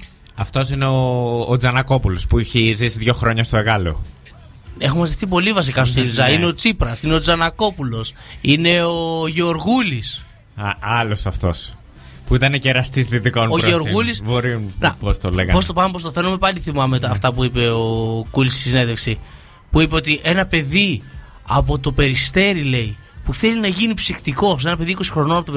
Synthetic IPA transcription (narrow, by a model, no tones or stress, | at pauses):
ɐft̪o̞sineoːd͡zɐnɐko̞pulo̞spuiçizisiðʝo̞xɾo̞ɲɐst̪oeɣɐlo̞̰ | e̞xomɐziθip̬o̞livɐs̬ikɐsot̪ilizɐineo̞t͡sipɾɐsineo̞d͡zɐnɐko̞pulo̞sine̞oʝeoɾɣulis | ɐlo̞sɐft̪o̞s | puit̪ɐneceɾɐst̪isðit̪ikonoʝeoɾɣulisboɾimunɐpost̪olḛɣɐpo̞st̪opɐmepo̞st̪oθe̞nomepɐliθimɐmeɐft̪ɐpuipe̞okulisi̥sisine̞ðeksi | puipeo̞t̪iʔe̞nɐpe̞ði | ɐp̬o̞t̪o̞pe̞ɾist̪e̞ɾile̞i | puθe̞linɐʝinipsixt̪iko̞s̬e̞nɐpe̞ðiko̞si̥xɾo̞noɐpot̪o